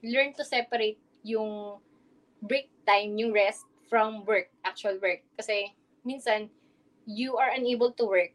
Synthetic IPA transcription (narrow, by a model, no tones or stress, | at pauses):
lɛɹnt̪ʊsɛpɐɾejt̪̚ | jʊŋ | bɹɪk̚t̪ãjmjʊŋɹɛst̚ | fɹɔmwɛɹk̚ʔak̚t͡ʃʊɐlwɛɹk̚ːɐsɛ | minsɐn | juʔɐɹʔɐnejbɛlt̪ʊwɛɹk̚